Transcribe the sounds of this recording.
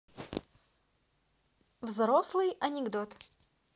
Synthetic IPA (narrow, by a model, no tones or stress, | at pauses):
vzɾoslˠɨjɐnʲɪɡd̪ot̪